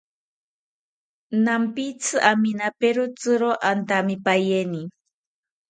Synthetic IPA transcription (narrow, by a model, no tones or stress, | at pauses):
nampit͡sʰɨʔaminapeɾot͡sɨɾoʔant̪amipajeni